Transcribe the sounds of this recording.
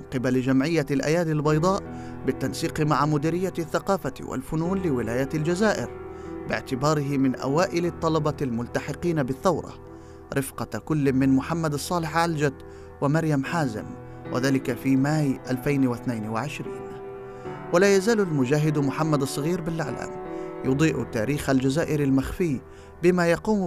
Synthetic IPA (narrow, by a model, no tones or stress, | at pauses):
mɪnqɪbald͡ʒamʕɪjːalʔa̰jaːd̪albɑjd̪ˤɑːʔ | bɪt̪ːansiːqmaʕamʊd̪iːɾɪjːaθːaqɑːfawɪ̰lfʊnuːnlɪwɪlaːjaald͡ʒazaːʔɪ̰ɾbɪʕt̪ɪbɑːɾɪɦɪmɪnʔa̰waːʔɪlɪt̪ˤːɑlɑbɑlmʊlt̪aħɪqiːnabɪθːawɾˤɑ̰ | ɾʔɪfqɑkʊlːmɪnmʊħamːad̪ɑsˤːɑːlɪħʕald͡ʒat̪ | wɪmaɾjamħaːzɪ̰m | wʔɪ̰ðaːlɪkafimaːjʔalfajnwɪθnajnwɪʕɪʃɾḭːn | walaːjazaːlalmʊd͡ʒaːɦɪd̪mʊħamːad̪sˤːɑɣiːɾbɪlʔaʕla̰ːmjʊd̪ˤiːʔt̪aːɾiːxald͡ʒazaːʔɪɾalmaxfiː | bɪmajɑquːm